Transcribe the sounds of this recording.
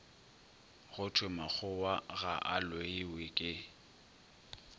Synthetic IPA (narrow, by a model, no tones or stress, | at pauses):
ɣʊtʰwɪmak͡xʰʊwaɣaʔalweɪwɪkʼɪ